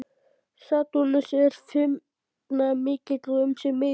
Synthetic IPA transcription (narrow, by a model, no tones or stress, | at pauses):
sat̪unasɛɾ̥fʏm | namɪːcɪt̪lʏmsɛmːɪ